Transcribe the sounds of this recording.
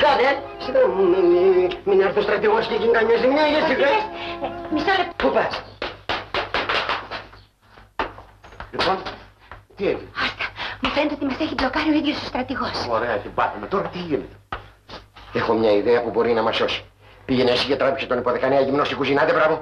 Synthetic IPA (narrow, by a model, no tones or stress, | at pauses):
kɐne | siðɐmuminiminiɐɾθost̪ɾɐt̪iɣosceʝink̪ɐɲɐzimɲɐʝɐssivesmisoɾɐpupɐs | lipon | t̪ieviost̪ɐ̥mufnd̪ot̪imɐseçiblokaɾioiðjost̪ust̪ɾɐt̪iɣosoɾeɐt̪ibɐt̪ɐmet̪oɾɐt̪iʝinet̪e | exomɲɐiðeɐpubo̞ɾinɐmɐsosi̥ | piʝenesiʝet̪ɾɐpikset̪onipoðekɐneɐʝimnost̪ikuzʝinɐt̪ebɾavo